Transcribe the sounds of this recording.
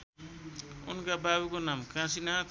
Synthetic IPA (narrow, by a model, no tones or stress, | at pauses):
ṵnkababukonamkãsinat̪ʰ